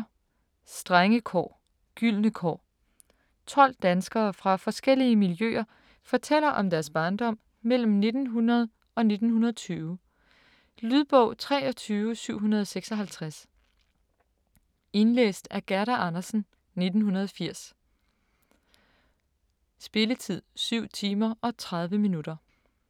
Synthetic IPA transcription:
sd̥ʁaŋəkʰɒ̰ː | ɡ̥yl̰nəkʰɒ̰ː | t͡sʰɒ̽l̰d̥ænsɡ̥ɐːfʁɑ̈fɒ̽sɡ̥el̰iəmiljø̰ːɐ | fɒt͡sʰel̰ɐʔɒ̽md̥æɐsb̥ɑ̈ːnd̥ɒ̽m̰ | mel̰m̩ne̝d̥n̩ɦunɐð̞̩ˠ | ɒ̽ne̝d̥n̩hunɐð̞ˠɒ̽t͡sʰyːʊ | lyðˠb̥ɔ̽ʊ̰t͡sʰʁɛ̰ːɒ̽t͡sʰyːʊsyʊ̰ɦunɐð̞ˠseɡ̥sɒ̽ɦælt͡sʰʁas | e̝nlḛːsd̥æɐɡ̥æɐɾæʔɑnɐsn̩ | ne̝d̥n̩hunɐð̞ˠɒfiɐ̰s | sb̥e̝lət͡sʰið̞̰ˠsyʊ̰t͡sʰiːmɐʔɒ̽t͡sʰʁɑ̈ð̞ˠʋəminuɾ̥ɐ

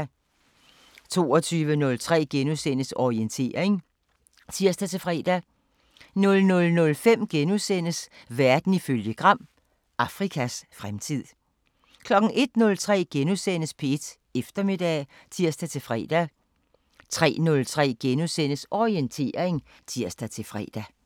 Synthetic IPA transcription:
t͡sʰo̝̰ːɒt͡sʰyːʋənɔ̽lt͡sʰʁɛ̰ːɡ̥enusen̰əsɒient͡sʰe̝̰ːɐe̝ŋ | t͡sʰiɐ̰sd̥æt͡sʰe̝fʁɛ̰ːd̥æ | nɔ̽lnɔ̽lnɔ̽lfem̰ɡ̥enusen̰əsʋæɐd̥n̩iføljəɡ̥ʁɑ̈m̰ | ɑ̈fʁikʰæsfʁamt͡sʰið̰ˠ | kʰlɒ̽ɡ̥ŋ̩ʔe̝d̥̚nɔ̽lt͡sʰʁɛ̰ːɡ̥enusen̰əspʰee̝d̥ | efd̥ɐme̝d̥ɛ̰ | t͡sʰiɐ̰sd̥æt͡sʰe̝lfʁɛ̰ːd̥æ | t͡sʰʁɛ̰ːnɔ̽lt͡sʰʁɛ̰ːɡ̥enusen̰əsɒient͡sʰe̝̰ːɐe̝ŋ | t͡sʰiɐ̰sd̥æt͡sʰe̝fʁɛ̰ːd̥æ

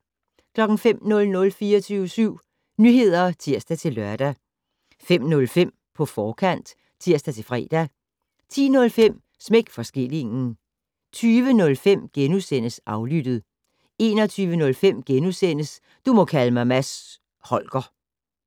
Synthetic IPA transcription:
kʰlɒ̽ɡ̥n̩fem̰nɔ̽lnɔ̽lfiːɐɒt͡sʰyːʊəsyʊ̰ | nyɦe̝ð̞̰ˠɐt͡sʰiɐ̰sd̥æt͡sʰe̝lɶɐd̥æ | fem̰nɔ̽lfem̰ | pʰɒ̽fɒːkʰæn̰d̥ | t͡sʰiɐ̰sd̥æt͡sʰe̝fʁɛ̰ːd̥æ | t͡sʰḭːnɔ̽lfem̰ | smeɡ̥fɒ̽sɡ̥e̝l̰e̝ŋn̩ | t͡sʰyːʋənɔ̽lfem̰ɡ̥enusen̰əsʔɑ̈ʊlyd̥ð̩ˠ | e̝̰ːnɒt͡sʰyːʋənɔ̽lfem̰ɡ̥enusen̰əs | d̥umɒ̽kʰæləmɑ̈ɪmæs | hɒ̽lɡ̥ɐ

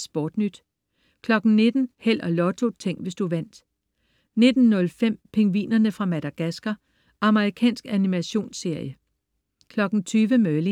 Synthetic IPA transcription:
sb̥ɒːd̥nyd̥ | kʰlɒ̽ɡ̥n̩ne̝d̥n̩hel̰ɒlɒ̽t͡sʰo̝t͡sʰeŋ̰ʋe̝sd̥uʋæn̰d̥ | ne̝d̥n̩ːɔ̽lfem̰pʰe̝ŋʋḭːnɐnəfʁɑ̈mæd̥æɡ̥æsɡ̥ɐ | ʔɑ̈məʁikʰɛ̰ːnsɡ̥ænimæɕo̝̰ːnse̝ɐ̰jə | kʰlɒ̽ɡ̥n̩t͡sʰyːʋəmœːli

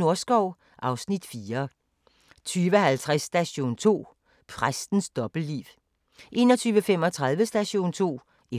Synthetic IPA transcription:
o̝ɐsɡ̥ɒʊ̰ | ʔɑ̈ʊsnid̥fiːɐ | t͡sʰyːʋəhælt͡sʰʁasːd̥æɕo̝̰ːnt͡sʰo̝̰ː | pʰʁasd̥n̩sd̥ɒ̽b̥l̩diːʋ | ʔe̝̰ːnɒ̽t͡sʰyːʋəfem̰ɒ̽t͡sʰʁäðˠʋəsd̥æɕo̝̰ːnt͡sʰo̝̰ː | e

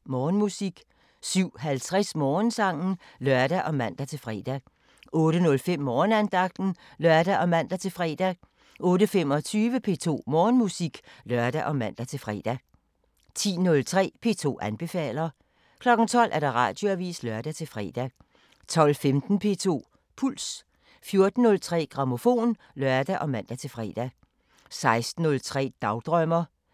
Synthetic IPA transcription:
mɒːnmusiɡ̥ | syʊ̰ɦælt͡sʰʁɛsmɒːnsɑ̈ŋ̰n̩lɶɐd̥æʔɒ̽mæn̰d̥æt͡sʰe̝lfʁɛːd̥æ | ʔɔ̽ːɾənɔ̽lfem̰ːɒːnænd̥ɑ̈ɡ̥̚d̥n̩lɶɐd̥æʔɒ̽mæn̰d̥æt͡sʰe̝lfʁɛd̥æ | ʔɔ̽ːɾəfemɒ̽t͡sʰyːʋəpʰe̝̰ːt͡sʰo̝̰ːmɒːnmusiɡ̥lɶɐd̥æʔɒ̽mæn̰d̥æt͡sʰe̝lfʁɛːd̥æ | t͡sʰḭːnɔ̽lt͡sʰʁɛ̰ːpʰe̝ːt͡sʰo̝̰ːænb̥e̝fɛ̰ːlɐ | kʰlɒ̽ɡ̥n̩t͡sʰɒ̽l̰ʔæɐɾ̥ɑ̈ʁɑ̰̈ːd̥jo̝æʋḭːslɶɐd̥æt͡sʰe̝lfʁɛ̰ːd̥æ | t͡sʰɒ̽l̰femd̥n̩pʰe̝̰ːt͡sʰo̝̰ː | pʰul̰s | fjo̝ɐd̥n̩ːɔ̽lt͡sʰʁɛ̰ːɡ̥ʁɑ̈mo̝fo̝̰ːn | lɶɐd̥æʔɒ̽mæn̰d̥æt͡sʰe̝lfʁɛ̰ːd̥æ | sɑ̈ɪsd̥n̩ːɔ̽lt͡sʰʁɛ̰ːd̥ɑ̈ʊd̥ʁœmɐ

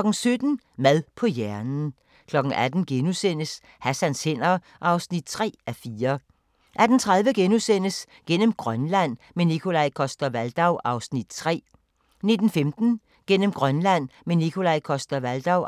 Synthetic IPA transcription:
ɡ̥n̩sød̥n̩ | mæðˠpʰɒ̽jæɐnn̩ | kʰlɒ̽ɡ̥̩æd̥n̩ɡ̥enusen̰əs | hæsænshen̰ɐ | ʔɑ̈ʊsnid̥̚t͡sʰʁɛ̰ːæfiːɐ | ʔæd̥n̩t͡sʰʁað̞ˠʋəɡ̥enusen̰əs | ɡ̥en̰əm̩ɡ̥ʁɶnlæn̰ | menikʰo̝lɑɪkʰɒ̽sd̥ɐʋæld̥ɑ̈ʊʔɑ̈ʊsnid̥t͡sʰʁɛ̰ː | ne̝d̥n̩femd̥n̩ | ɡ̥en̰əmɡ̥ʁɶnlæn̰menikʰo̝lɑɪkʰɒ̽sd̥ɐʋæld̥ɑʊ

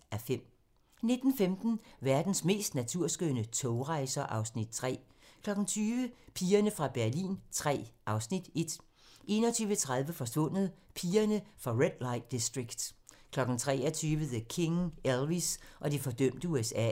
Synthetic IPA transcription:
æfem̰ | ne̝d̥n̩femd̥n̩ʋæɐd̥n̩sme̝̰ːsd̥næt͡sʰuɐ̰sɡ̥ønət͡sʰɔʊʁɑ̈ɪsɐʔɑ̈ʊsnid̥̚t͡sʰʁɛ̰ː | kʰlɒ̽ɡ̥n̩t͡sʰyːʋəpʰiːɐnəfʁɑ̈b̥æɐlḭːnt͡sʰʁɛ̰ːʔɑ̈ʊsnid̥e̝d̥ | ʔe̝̰ːnɒ̽t͡sʰyːʋət͡sʰʁäðˠʋəfɒ̽sʋɔ̽n̰ð̩ˠpʰiːɐnəfʁɑ̈ʁed̥lɑ̈ɪd̥isd̥ʁiɡ̥d̥kʰlɒ̽ɡ̥n̩t͡sʰʁɛ̰ːɒt͡sʰyːʋəðəkʰe̝ŋelʋisʔɒ̽d̥ifɒ̽d̥œm̰d̥əuesɛ̰ː

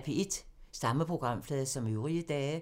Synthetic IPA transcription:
ʋʰie̝d̥sɑ̈məpʰʁo̝ɡ̥ʁɑ̈m̰flɛːðˠsɒ̽møʊʁiəd̥ɛː

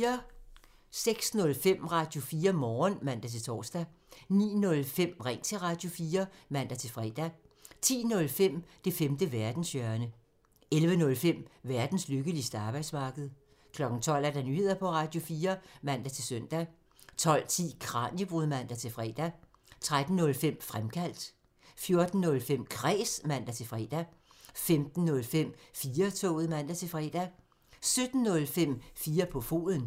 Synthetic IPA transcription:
ɐ | seɡ̥snɔ̽lfem̰ʁɑ̈ːd̥jo̝fiːɐmɒːnmæn̰d̥æt͡sʰe̝lt͡sʰɒ̰ːsd̥æ | nḭːnɔ̽lfem̰ʁɛŋnt͡sʰe̝ʁɑ̈ːd̥jo̝fiːɐmæn̰d̥æt͡sʰe̝lfʁɛ̰d̥æ | t͡sʰḭːnɔ̽lfem̰d̥e̝femd̥əʋæɐd̥n̩sjœɐnə | elʋənɔ̽lfem̰ʋæɐd̥n̩sløɡ̥əlisd̥əɑ̈ːb̥ɑ̈ɪ̰d̥smɑ̈ːɡ̥əð̞̩ˠ | kʰlɒ̽ɡ̥n̩t͡sʰɒ̽l̰æɐd̥ænyːhe̝ð̰ˠɐpʰɒ̽ʁɑ̈ːd̥jo̝fiːɐmæn̰d̥æt͡sʰe̝lsøn̰d̥æ | t͡sʰɒ̽l̰t͡sʰḭːkʰʁɑ̈ːnjəb̥ʁuðˠmæn̰d̥æt͡sʰe̝lfʁɛ̰ːd̥æ | t͡sʰʁad̥n̩nːɔ̽lfem̰fʁamkʰæl̰d̥ | fjo̝ɐd̥n̩ːɔ̽lfem̰kʰʁɛ̰ːsmæn̰d̥æt͡sʰe̝lfʁɛːd̥æ | femd̥n̩ːɔ̽lfem̰fiːɐt͡sʰɔ̰ʊð̞̩ˠmæn̰d̥æt͡sʰe̝fʁɛd̥æ | sød̥n̩ːɔ̽lfem̰fiːɐpʰɒ̽fo̝̰ːðˠən

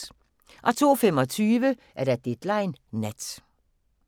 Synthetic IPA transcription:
ʔɒ̽t͡sʰo̝̰ːfem̰ɒ̽t͡sʰyːʋə | ʔæɐɾ̥æd̥ed̥lɑ̈ɪnːæd̥

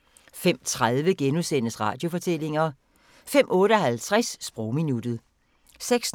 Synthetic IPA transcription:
fem̰t͡sʰʁað̞ˠʋəɡ̥enuðˠsenəsʁɑ̈ːd̥jo̝fɒ̽t͡sʰel̰e̝ŋɐ | fem̰ʔɔ̽ːɾəɒɦælt͡sʰʁasːb̥ʁɔʊminud̥ð̩ˠ | seɡ̥s

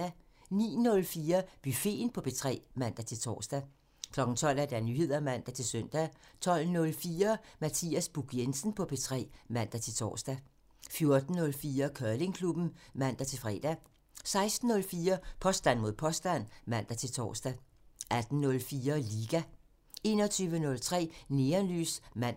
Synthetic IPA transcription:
æ | nḭːnɔ̽lfiːɐb̥yfe̝̰ːnpʰɒ̽b̥ʰe̝t͡sʰʁɛ̰ːmæn̰d̥æt͡sʰe̝lt͡sʰɒ̰ːsd̥æ | kʰlɒ̽ɡ̥n̩t͡sʰɒ̽l̰æɐd̥ænyhe̝ð̞̰ˠɐmæn̰d̥æt͡sʰe̝lsœn̰d̥æt͡sʰɒ̽l̰nɔ̽lfiːɐmæt͡sʰḭːæsb̥uɡ̥ensn̩pʰɒ̽pʰet͡sʰʁɛ̰ːmæn̰d̥æt͡sʰe̝t͡sʰɒ̰ːsd̥æ | fjo̝ɐd̥n̩ːɔ̽lfiːɐkʰɶɐle̝ŋkʰlub̥n̩mæn̰d̥æt͡sʰe̝fʁɛ̰ːd̥æ | sɑ̈ɪsd̥n̩ːɔ̽lfiːɐpʰɒ̽sd̥æn̰mo̝ð̰ˠpʰɒ̽sd̥æn̰mæn̰d̥æt͡sʰe̝lt͡sʰɒ̰ːsd̥æ | æd̥n̩nɔ̽lfiːɐliːɡ̥æ | e̝ːnɒ̽t͡sʰyːʋənɔ̽lt͡sʰʁɛ̰ːne̝ːɐnly̰ːsmæn̰

